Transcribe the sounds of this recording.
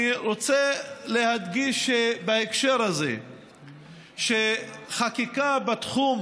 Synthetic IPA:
iɾo̞t͡sele̞had̪ɡiʃebaekʃeɾhaze̞̰ | ʃe̞χakikabat̪χum

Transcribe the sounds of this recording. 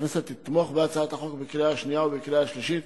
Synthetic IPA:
neset̪ːit̪moχbeat͡saat̪aχokbekɾejaaʃnijaubekɾeaʃliʃit̪

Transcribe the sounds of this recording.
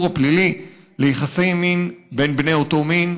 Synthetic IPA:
ʁaplili | lejiχasejminbenbnejoto̞min

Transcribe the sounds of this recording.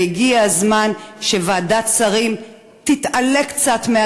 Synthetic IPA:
iɡiazmanʃevaːdat͡saʁim | t̪it̪ale̞kt͡sat̪mea

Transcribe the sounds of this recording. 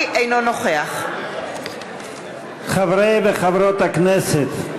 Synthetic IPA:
ʔejnonoχeaχ | χavɾejbeχavɾot̪akneset̪

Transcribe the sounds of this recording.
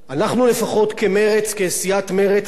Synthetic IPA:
anaχnule̞faχo̞tke̞me̞ʁet͡skesijatme̞ʁet͡s

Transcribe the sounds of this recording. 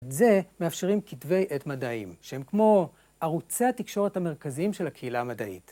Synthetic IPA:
ze̞meafʃeʁimkitve̞jʔetmadaimʃehe̞mkmo̞ | aʁut͡seat̪ikʃo̞ʁethame̞ʁ̞kaziimʃelhakʰeilaːmad̪aʔḭt

